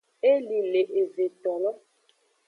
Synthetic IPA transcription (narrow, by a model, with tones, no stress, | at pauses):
e˦li˨le˨ʔe˨ze˨t̪ɔ˨lɔ˦